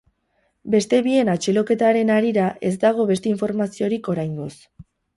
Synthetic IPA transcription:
be̞st̪e̞βie̞nat͡ʃelo̞ke̞t̪aɾe̞naɾiɾaʔe̞z̬d̪aɣ̞o̞βe̞st̪e̞iɱfo̞ɾmasio̞ɾiko̞ɾajnɡ̪os

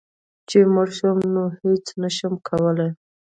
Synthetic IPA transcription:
t͡ʃemaɾʃumnohet͡snaʃamkʰawəlaj

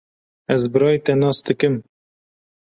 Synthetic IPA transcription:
ɛzbɨɾɑːjit̪ɛnɑːsd̪ɨkɨm

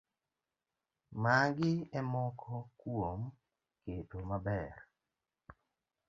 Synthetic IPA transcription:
maŋɡɪɛmɔkʰɔkwom | ketomabɛr

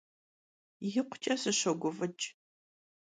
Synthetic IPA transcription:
jɪqʷʊ̥t͡ʃʼɐsɨɕɐɡʷʊvɨt͡ʃʼ

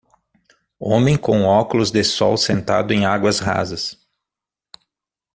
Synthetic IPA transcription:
õmẽj̃kõw̃ɔkʊlʊzd̪ɪsɔwsẽnt̪a̰d̪ʊẽj̃aɡwɐzɦa̰zɐs

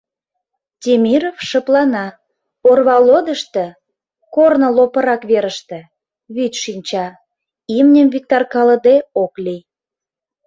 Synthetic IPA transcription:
t̪ʲemʲiɾofʃə̆plɑnɑ | orβɑlod̪əʃt̪ĕ | kornə̆lopə̆ɾɑkβeɾəʃt̪ĕ | βyt̪ʲʃinʲt͡ɕɑ | imnʲəmvik̚t̪ɑrkɑlə̆d̪eoklij

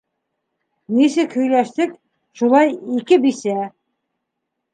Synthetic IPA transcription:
nisɘkhɵ̆jlæʃt̪ɘk | ʃulˠɑjikɘbisæ

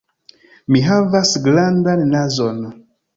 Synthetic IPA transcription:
miɦavasɡlandanːazon

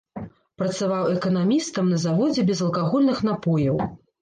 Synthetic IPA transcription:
pɾɐt̪savawɛkɐnamʲist̪ɐmnɐzavɔd͡zʲɛbʲɛzɐlˠkaɣɔlʲnɨxnapɔjɐw

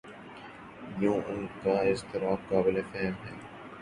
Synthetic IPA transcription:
jũːʔʊnkaɪst̪ɪɾaːfqaːbɪlefɛɦmɦɛ̰ː

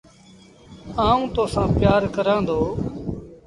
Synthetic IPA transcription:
ãːũːt̪oːsãːpɪjaːɾkəɾãːnd̪oː

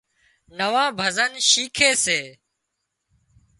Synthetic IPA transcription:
nəʋãːbʱəzənʃiːkʰeːseː

